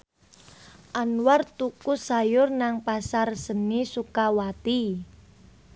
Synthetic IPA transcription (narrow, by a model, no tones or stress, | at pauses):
ʔanwart̪ukusajʊrnaŋpasarsənisukawat̪i